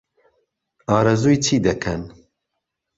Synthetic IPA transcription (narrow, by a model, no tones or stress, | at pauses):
ɑːɾɐzujt͡ʃʰiːd̪ɛkʰɛn